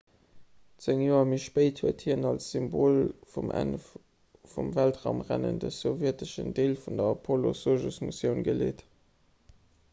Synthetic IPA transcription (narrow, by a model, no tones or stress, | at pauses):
t͡seŋjoːɐmiʃpəɪthuɐthiːʁənɑlsz̥ymboːlfumʔæ̰nf | fumvæltʁaʊmʁæ̰nə̰ndəsovjɛətəʃə̰ndeːlfundɐpʰolo̰soʒusmusjəʊnɡəlḛːt